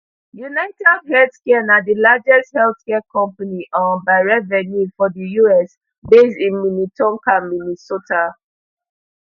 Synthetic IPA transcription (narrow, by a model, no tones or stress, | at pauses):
junɛ̃tadhɛlθkɛnadəlad͡ʒɛsthɛlθkɛkɔ̃mpaniʔɔ̃nbaɹɛvɛnifɔdəjuɛs | besĩnminitɔ̃ŋkãminisota